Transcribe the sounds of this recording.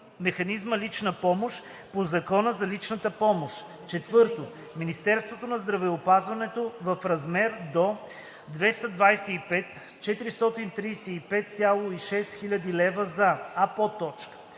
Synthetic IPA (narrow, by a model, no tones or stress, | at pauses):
mɛxɐnizməlit͡ʃnəpɔmoʃ | pozɐkɔnəzɐlit͡ʃnət̪əpɔmoʃ | t͡ʃɛt̪vɤɾt̪o | minist̪ɛɾst̪vot̪onɐzd̪ɾɐvɛopazvɐnɛt̪ovɐfɾɐzmɛɾd̪o | d̪vɛst̪əd̪vajsɛipɛt̪ | t͡ʃɛt̪iɾist̪ɔt̪int̪ɾijsɛipɛt̪̚sʲjalˠoiʃɛst̪xilʲɐd̪ilɛvəzɐːpot̪ɔt͡ʃkə̥